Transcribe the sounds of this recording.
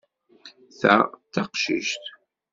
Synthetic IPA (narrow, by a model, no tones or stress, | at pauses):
θæ̰t̪ːɑqʃḭʃt̪